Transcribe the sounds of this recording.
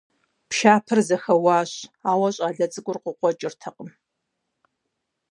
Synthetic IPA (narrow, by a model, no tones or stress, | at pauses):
pʃaːpʰɨrzɐxɐwɑːɕaːwɐɕʼaːɮɐt͡sʼɨkʷʊrqʷəqʷɔt͡ʃʼɪrtʰɐqʼəm